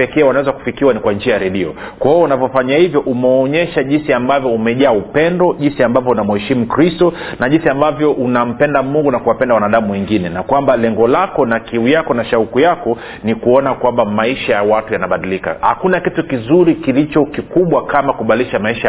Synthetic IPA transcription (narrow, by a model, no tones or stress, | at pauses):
ɛkɛːwanawɛzaku̥fikiwanikwand͡ʒiajaɾɛɗiɔ̰ | kwaɔunavjɔfaɲahivjɔʔumɛɔɲɛʃaʄinsiambavjɔumɛʄaːupɛndɔʄinsiambavjɔunamuhɛʃimukɾistɔ | naʄinsiambavjɔʔunam̩pɛndamuŋɡunakuwapɛndawanaɗamuwɛŋɡinɛnakwambalɛŋɡɔlakɔnakiujakɔnaʃaukujakɔ | nikuɔnakwambamaiʃajawatujanaɓaɗilika̰ha̰kunakitukizuɾikilit͡ʃɔkikuɓwakamakuɓaliʃamaiʃa